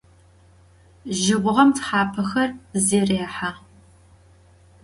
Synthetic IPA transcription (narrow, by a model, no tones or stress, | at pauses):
ʒɪʁʷʊʁɐmtħaːpʰɐxɐrzeːreːħa